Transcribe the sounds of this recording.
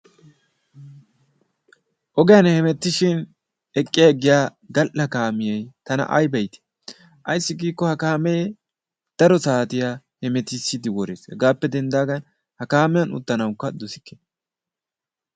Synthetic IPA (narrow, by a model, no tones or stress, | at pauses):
ʔɔɡɛjɐnhɛmɛt̪ːɪʃɪn | ɛkʼːɪjɐɛɡɪjaː | ɡɐlʔɐkaːmɪjɛjt̪ɐnɐ̰ʔɐ̰jbɐjt̪e̥ | ʔɐ̰jsːɪɡiːkːɔhɐkaːme | d̪̥ɐɾɔsaːt̪ɪja | hɛmɛt̪ɪsːɪd̪ɪwɔɾḛːshɛ̰ɡaːpːɛd̪ɛnd̪aːɡɐn | hɐkaːmɪjɐnʊ̰t̪ːɐnɐwkːɐd̪ɔsɪ̥kːe